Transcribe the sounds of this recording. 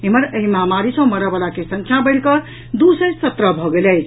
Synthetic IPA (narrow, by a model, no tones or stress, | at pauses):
eməɾəɦimamaɾisə̃məɾəbəlakesə̃ŋkʰjabəɪɽkʌ | d̪usəjsət̪ɾəbʱɔɡelɛɪt͡ʃʰ